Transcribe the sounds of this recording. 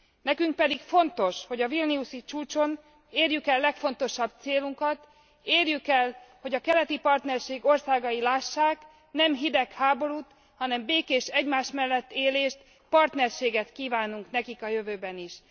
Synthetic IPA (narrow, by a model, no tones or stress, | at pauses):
nɛkyŋk̚pɛd̪ikfo̞nt̪o̞ʃho̞ɟɒvilniusit͡ʃuːt͡ʃo̞n | eːrjykɛlːɛkfo̞nt̪o̞ʃɒb̚t̪seːluŋkɒt̪ | eːrjykɛlho̞ɟɒkɛlɛt̪ipɒrt̪nɛrʃeːɡo̞rsaːɡɒjilaːʃːaːk | nɛmɦid̪ɛkhaːbo̞ɾuːt̪ | hɒnɛmbeːkeːʃɛɟmaːʃmɛlːɛt̪ːeːleːʃt̪ | pɒrt̪nɛrʃeːɡɛt̪kiːvaːnuŋknɛkikɒjøvøːbɛniʃ